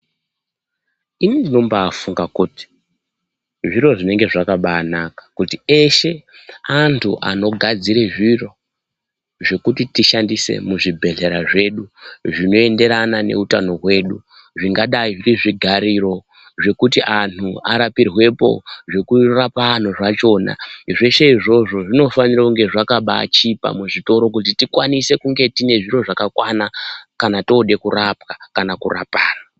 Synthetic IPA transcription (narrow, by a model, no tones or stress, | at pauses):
inindino̞mbaːfuŋɡakuːti̥ | ʐiɾo̞ʐine̞ŋɡe̞ʐakaɓaːnakḁkutieʃe̞antʰṵʔa̰no̞ɡʱad͡ziɾeʐiro̞ | ʐe̞kutitiʃandise̞̰muʐibʱe̞ɮe̞ɾaʐe̞ɗuʐino̞e̞nde̞ɾanane̞̰utano̞ɦwe̞ːɗu | ʐiŋɡaɗaiʐiriʐiɡʱaɾiɾo̞ | ʐe̞kutiʔan̤uaɾapirwe̞po̞̰ʐe̞kurapaːn̤oʐat͡ʃo̞ːna̰ʐe̞ʃe̞iʐo̞ʐo̞ʐino̞fanirakuŋɡe̞ʐakaɓa̰t͡ʃipa̰muʐito̞ɾo̞k̬utitikwanise̞kuŋɡe̞tine̞ʐiɾo̞ʐakakwanakanatoːɗe̞kurapkakanakura̰paːra